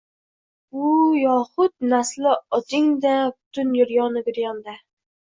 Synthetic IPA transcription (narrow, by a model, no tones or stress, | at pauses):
ujɑχʊt̪̚næslɪɒd̪ɪŋd̪ɛbʊ̥t̪ʰynjyɾjɑːnɨɡʲyɾjɑnd̪ɛ